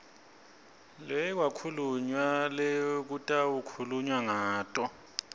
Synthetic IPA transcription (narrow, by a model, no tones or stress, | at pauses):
lɛkwakʰuluɲwalɛk̬utʼawukʰuluɲwaŋaːtʼɔ